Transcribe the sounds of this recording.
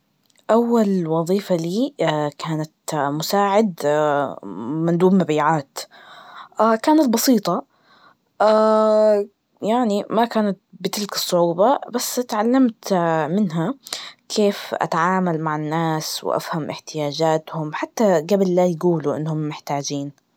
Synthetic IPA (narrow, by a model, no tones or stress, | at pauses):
ʔawːalwɑðˤiːfaliːkʰaːnat̪mʊsaːʕɪd̪ | mɪnd̪uːbmabiːʕaːt̪ | ʔakaːnat̪̚bɑsiːt̪ˤɑ | ʔa | jaʕnimakaːnat̪̚bɪt̪ɪlkɨ̥sˤːʊʕuːbɑbasːt̪ʕalːamt̪mɪnɦakʰeːfʔa̰t̪aʕaːmalmaʕanːaːswɪ̰ʔa̰fhamʔɪ̰ħt̪ɪjaːd͡ʒaːt̪hʊmħat̪ːaɡablːajɡuːluʔɪ̰nːhʊmːɪħt̪aːd͡ʒiːn